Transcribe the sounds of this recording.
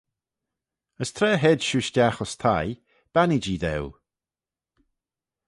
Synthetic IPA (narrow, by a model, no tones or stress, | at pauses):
əst̪ʰɾɛːɦɛdʃuːʃdʲaxɔst̪ʰaj | b̥anid͡ʒiːðɛ̰w